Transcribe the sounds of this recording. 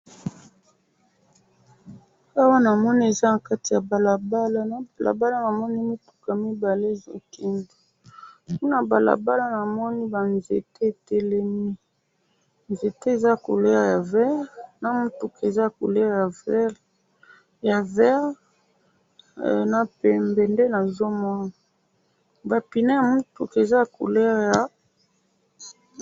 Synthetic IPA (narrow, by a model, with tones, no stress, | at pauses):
a˦wa˦na˨mɔ˦ni˦e˨za˦na˨ka˦ti˨ja˨ba˨la˨ba˦la˦na˨ba˨lʔa̰˨ba˦la˦na˨mɔ˦ni˦mi˦tu̥˨ka˨mi˦ba˨le˦˨zo̰˨ki˨ndo˨ | ku˦na˨ba˨la̰˨ba˦la˦na˨mɔ˦ni˦ba˨nzḛ˨te˦e˨tɛ˦lɛ˦mi˦ | nze˨te˦˨za˦˨ko̰˨lɛ˦ʁja˨vɛ˦ʁna˨mu˦tu˨ke˨za˦a˨ko̰˨lɛ˦ʁja˨v | ja˨vɛ˦ʁ | na˨pɛ˨mbe˨nde˦na˨zo˦mɔ˦na˨ | ba˨pi˨na˦ja˨mu˦tu˨ke˨za˦a˨ko̰˨lɛ˦ʁja˨